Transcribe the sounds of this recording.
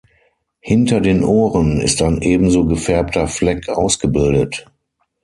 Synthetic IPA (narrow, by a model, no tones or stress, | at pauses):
hɪntɐdeːnʔoːʁənɪ̰staɪnʔeːbm̩zoːɡəfɛɐp̚tʰɐflɛkʰʔa̰ʊsɡ̥əbɪldət